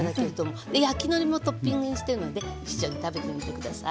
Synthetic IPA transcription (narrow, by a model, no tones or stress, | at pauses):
d̪ake̞ɾed̪o̞mo̞d̪ejakʲino̞ɾʲimo̞t̪o̞pːʲĩŋɡɯ̟ɲ̟iɕi̥t̪e̞ɾɯ̟no̞d̪e̞it͡ɕi̥d͡ʑõ̞ɲ̟it̪abe̞t̪e̞mʲit̪e̞kɯ̟d̪asa̰